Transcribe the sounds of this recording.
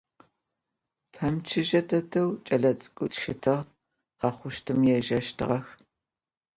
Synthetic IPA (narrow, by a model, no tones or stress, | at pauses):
pʰɐmt͡ʃʰɪʒɐtʰɐtʰɐwt͡ʃʼɐɮɐt͡sʼɨ̥kʷʼʊtʃɪtʰɨʁ | qɑχʷʊʃtʰɨmjɛʒɐʃtʰɨ̰ʁɐx